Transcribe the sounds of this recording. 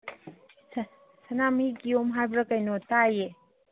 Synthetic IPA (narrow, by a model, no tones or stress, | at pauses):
sɐnamikiomɦajbɾɐkajnotaje